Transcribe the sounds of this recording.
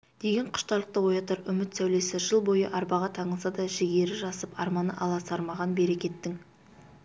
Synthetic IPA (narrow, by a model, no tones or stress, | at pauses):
d̪e̞ɡʲe̞ɴqʰʊ̥ʃt̪ɑlˠəq̚t̪əwo̞jɑt̪əɾʏmɪt̪sæwle̞sɪʒəlˠbo̞jə̰ʔɑɾbɑʁɑt̪ʰɑɴəlˠsɑd̪ɑʒɪɡʲe̞ɾɪʒɑsəpɑ̰ɾmɑnə̰ʔɑlˠɑsɑɾmɑʁɑnbe̞ɾe̞kʲe̞t̪ːɪŋ